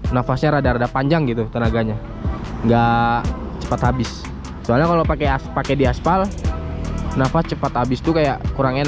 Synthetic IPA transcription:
nafasɲaɾadaɾadapaɲd͡ʒaŋɡit̪ut̪ənaɡaɲa | ŋɡa | t͡ʃə̥pat̪ɦabɪs | əsualɲakalopakeaspakɛdiasfal | nafast͡ʃəpat̪habɪst̪ukajaʔkuɾaŋɲa

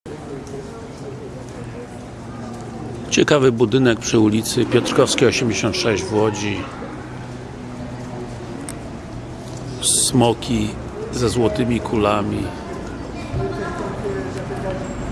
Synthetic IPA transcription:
t͡ɕɛkavɘbud̪ɘnɛk̚pʂɘulʲit̪sɘpʲjɔt̪ɾkɔfskʲɛɔɕɛmd͡ʑeɕɔ̃nt̪ʂɛʑd͡ʑvwɔd͡ʑi | smɔkʲi | zɛzwɔt̪ɘmʲikʰulamʲi

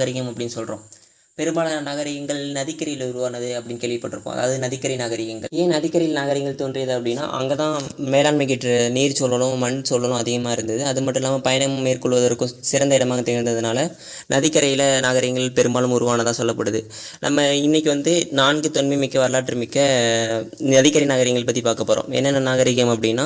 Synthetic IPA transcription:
ɣɐɾɪɣɐmɐpːɐɽɪnːɯsɔlrõ̰ː | pɛɾɯmbaːɭɐnɐɣɐɾɪɣɐŋɡɐɭnɐðɪkːɐɾɐjɪlʊɾɯʋaːnɐðɯɐpːɐɽɪnkeːɭʋɪpːɐʈːɯɾɯkːõ̰ːɐ̰ða̰ːʋɐðɯnɐðɪkːɐɾɪnaːɣɐɾɪɣɐŋɡɐeːnɐðɪkːɐɾɪjɪlnaːɣɐɾɪɣɐŋɡɐɭt̪oːndrɪjɐðɯɐpːɐɽɪnːa̰ːʔɐ̰ŋɡɐt̪ãːmɛːɽaːnmɪk̬ːɪʈɾɐniːɾsɔlʋɐlʊ̃mɐɳsɔlːɐlʊ̃ɐðɪɣɐmaːɪɾɯnd̪ɐðɯɐðɯmɐʈːɯ̃mɪlːaːmɐpɐjɐɳɐmeːɾkɔɭʋɐðɐɾkːɯ̃sɪɾɐnd̪ɐɪɽɐmaːɣɐt̪ɛɣɐɾnd̪ɐðɯnaːlɐ | nʔɐðɪkːɐɾɐjɪlɐnaːɣɐɾɪŋɡɐɭpɛɾɯmbaːlɯmʊɾʊʋaːnɐt̪ãːsɔlːɐpːɐɽɯðɯ | nʔɐ̰mːɐɪnːɛk̬ʲːɯʋɐnd̪ɯnaːnɡɯt̪ɔnmɐmɪkːɐʋɐɾɐlaːʈːɾɯmɪkːɐ | ɐðɪkːɐɾɐnaːɣɐɾɪŋɡɐɭp̬ɐt̪ːipaːɾkɐpːoːɾõ̰ːɛ̰nːɐnːɐnaːɣɐɾɪɣɐmɐpːɐɽɪnːaː

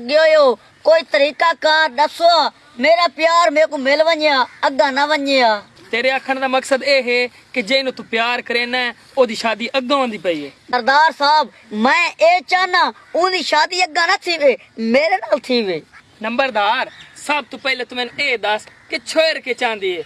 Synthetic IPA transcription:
əɡeoːjoː | koːiːt̪əɾiːkaːkaːɾɗəsoːaː | meːɾaːpjaːɾmẽːkũːmelʋãɲaːəɡãːnaʋəɲeːaː | t̪eːɾeːaːkʰːəɽd̪aːməksəd̪eːɦeː | kɪd͡ʒeːnũːt̪ũːpɪjaːɾkəɾeːnɛː | oːd̪iːʃaːd̪iːʔəɡãːõːnd̪iːpəiːeːəɾd̪aːɾsaːb | mɛ̃ːeːt͡ʃaːnãː | ʊ̃ːd̪iːʃaːd̪iːəɡːãːnaːt̪ʰiːʋeː | meːɾeːnaːlt̪ʰiːʋeː | nəmbəɾd̪aːɾsab̚t̪ũːpɛːleːt̪ʊmɛ̃ːnũːeːd̪əskɪt͡ʃʰoːeːɾəkeːt͡ʃãːnd̪iːeː

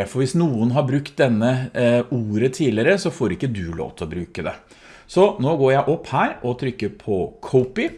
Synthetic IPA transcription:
fɔɾʋɪsnuːənɦɑɾbɾʉkt̪̚d̪ɛnːəuːɾət̪ʰiːlɪəɾəsɔfoːɾɪkːəd̪ʉlo̰ːʋt̪ʰlɔbɾʉːkəd̪ɛ̰ | sɔnoːɡoːɾjæɪʔɔpːhæːɾɔt̪ʰɾʏkːəɾpʰɔkʰɔʊpɪ

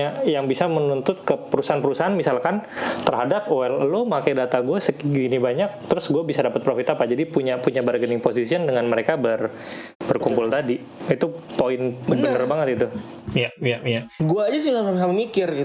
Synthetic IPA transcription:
ajaŋbisamənunt̪ʊt̪̚kəpəɾusaɦanpəɾusaɦanmisalkant̪ərɦadap̚oɛləlomakajdat̪aɡuasəkɡinibaɲak̚t̪əɾʊsɡuabisadapət̪̚pɾofit̪apad͡ʒadipuɲapuɲabərɡənɪŋposisiɔndəŋanməɾekabər | bərkumpʊlt̪adi | it̪upoɪnbənərbaŋət̪it̪u | jajajaɡuad͡ʒasiŋaamsamamikɪri

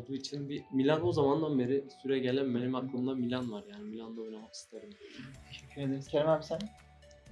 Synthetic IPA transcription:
d̪uːit͡ʃʰinbimilʲanozamand̪anbe̞ɾisyɾɛɟelʲænbenimaklˠɯmd̪amilʲanvaɾjaːnimilʲand̪aojnamaki̥st̪ʰeoɾɯmd̪ioɾit̪ʰeʃɛcʰːyɾed̪eizceɾmæmsæn

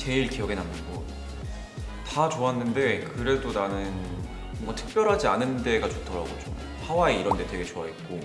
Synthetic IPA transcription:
t͡ɕe̞iɭkijʌɡe̞namːɯnɡʌ | tat͡ɕoanːɯnde̞kɯɾe̞donanɯn | ʌŋɡatʰɯ̥k̚p͈jʌɾɦad͡ʑianːɯnde̞ɡat͡ɕotʰʌɾaɡod͡ʑo̰ | hawaeiɾʌnde̞twe̞ɡe̞t͡ɕoait̚k͈o

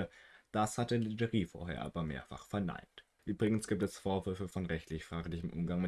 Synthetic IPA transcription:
əd̥ashatəlidəʁiːfo̰ːɐɦḛːɐʔa̰ːbɐmḛːɐfa̰χfɛɐna̰ɪnt | ʔyːbʁɪɡŋ̩sɡ̥iːp̚tɛsfoːɐvʏɐfəfɔnʁɛçtlɪçfʁ̥aːklɪçəm̩ʔʊ̰mɡaŋmɪ

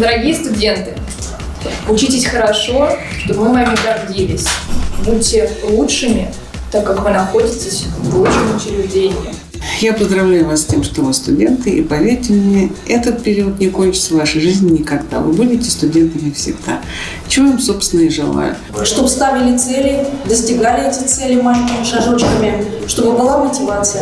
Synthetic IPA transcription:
d̪əɾɐɡʲijəst̪ʊdʲe̞nt̪ɨ | ʊt͡ɕitʲɪsʲxəɾɐʂo̞ | ʂt̪obvɨmɐmʲɪɡɐrdʲilʲɪsʲbut̚ʲːɪlˠuʂɨmʲɪ | t̪akːakvɨnɐxo̞dʲɪtʲɪsʲlˠuʂɨmʲɪʊt͡ɕɪɾʲɪʐdʲenʲɪjʊ̰ | japəzd̪ɾɐvlʲæjʊvassʲtʲe̞mʂt̪ovɨst̪ʊdʲe̞nt̪ɨʔipɐvʲerʲtʲɪmnʲe̞ɛt̪ət̪̚pʲɪɾʲiʊt̪nʲɪko̞nʲt͡ɕɪ̥t̪səvaʂəjʐɨzʲnʲɪnʲɪkɐɡd̪a̰vɨ̰budʲɪtʲɪ̥st̪ʊdʲe̞nt̪əmʲɪɪfsʲɪ̰ɡd̪a̰ | t͡ɕɪvoamso̞pst̪ʲɪnəɪʐɨ̰lˠa̰jʊ̰ | ʂt̪obst̪avʲɪlʲɪt̪sɛlʲɪd̪əsʲtʲɪɡalʲɪɛtʲɪt̪sɛlʲɪmaʂmʂɐʐot͡ɕkəmʲɪ | ʂt̪o̞bɨbɨlˠamətʲɪvat̪sɨj

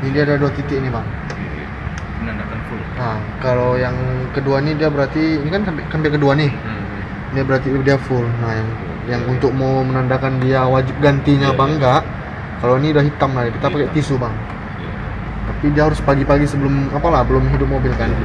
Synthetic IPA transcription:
nidiadalduat̪it̪ɪʔnibaŋ | andaknflna | kalojaŋkəduanidiabəɾart̪iːnikankampɪʔkampɪʔkəduanɪ | diabəɾart̪idiafʊlnajaŋ | jaŋunt̪ʊk̚mowmənandakandiawad͡ʒɪp̚ɡant̪iɲabaŋɡaʔ | kaloiniudahɦit̪amɡalakit̪apakɛʔt̪isubaŋ | t̪apidiaɦaɾʊspaɡipaɡisəbəlʊmapalahbəlʊmɦidʊp̚mobilkan

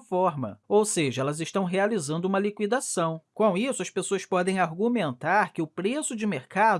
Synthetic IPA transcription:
fɔɾmɐ̰owseʒɐɛlɐzɪʃt̪ɐ̃w̃ɦealizɐ̃nd̪ʊũmɐlikwid̪asɐ̃w̃kõw̃isʊɐspesoɐspɔd̪ẽj̃aɾɡumẽnt̪aɾkɪʊpɾesʊd͡ʒɪmeɾkad̪

